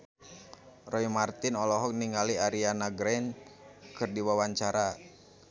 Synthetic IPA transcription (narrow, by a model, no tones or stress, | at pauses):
rɔimart̪ɪnɔlɔɦɔk̚niŋaliaɾianaɡɾɛnkɨrdiwawaɲt͡ʃaɾa